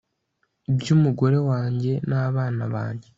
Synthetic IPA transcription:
ibjuːmuɡo̞ɾe̞waːɲɟe̞naːβaːna̰βa̰ːɲɟe̞

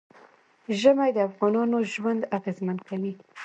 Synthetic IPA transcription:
ʒəmajd̪əafɣɑnɑnoʒwand̪aɣezmankawi

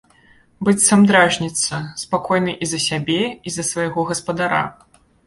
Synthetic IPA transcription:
bɨt̪ʲsɐmd̪ɾaʐnʲit̪sːɐspakɔjnɨʔizɐsʲabʲɛizɐsvɐjɣɔɣɐspɐd̪aɾa̰

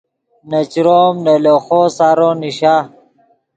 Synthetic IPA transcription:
nɐt͡ɕɾoːmneloːxoːsaɾoːniɕa

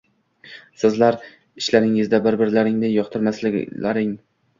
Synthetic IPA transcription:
sɪzlaɾ | ɪʃlaɾɪŋɪzd̪abɪɾbɪɾlaɾɪŋnɪjɒqt̪ʰɪɾmaslɪɡʲlaɾɪŋ

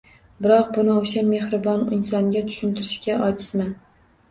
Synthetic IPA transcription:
bɪɾɒq̚bʊnɪoʃame̞hɾɪbɒnɪ̰nsɒŋɡʲat̪ʰʊ̥ʃɪnt̪ʰɪɾɪʃkʲaʔɒt͡ʃ̪ʰɪ̥ʃman

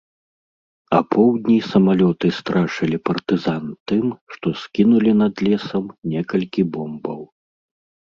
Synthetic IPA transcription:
ɐpʰɔwd̪ʲnʲisɐmalʲɔt̪ɨst̪ɾaʂɐlʲipɐrt̪ɨzant̪ɨmʂt̪ɔskʲinulʲin̪ɐd̪lʲɛsɐmnʲɛkɐlʲkʲibɔmbɐw

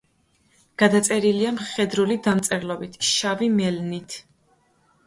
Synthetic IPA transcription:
ɡ̥ad̪at̪sʼɛɾiliamχɛd̪ɾulid̪amt̪sʼɛɾlˠɔbit̪ʰʃavimɛlnit̪ʰ

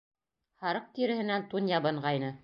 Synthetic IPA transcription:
hɑɾɤq̚t̪iɾɘ̆hɘ̆nænt̪unjɑbɤ̆ɴʁɑjnɤ

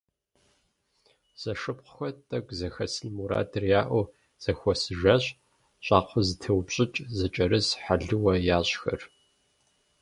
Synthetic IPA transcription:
z̥ɐʂɨp̚qʷʊxʷɔtʼɐkʷʼzɐxɐsɨnmuɾa̰ːdʰɨrjaːʔʷʊ | z̥ɐxʷɔsɨʒɐɕʼ | ɕʷʼɑːqʷʰʊzɨtʰɐwpɕʼɪt͡ʃʼzɐt͡ʃʼɐɾɨsħaɮɨwɐjaːɕxɐr

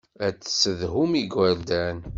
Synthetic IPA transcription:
æt͡sːsəðɦumiɡæɾd̪æn

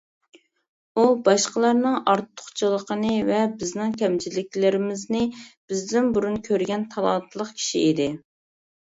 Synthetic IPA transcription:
ubɑʃqəlˠɑɾnɨŋɑɾt̪ʰːʊ̥χt͡ʃʰɨlˠəqənɨvɛbɪznɪŋkʲʰɛmt͡ʃʰilɪkʲlɪɾɪmɪznɪb̥ɪzd̪ɪnbuɾunkʲʰøɾɡʲɛnt̪ʰɑlˠɑnt̪ʰlˠəqkʲʰi̥ʃiid̪ɪ

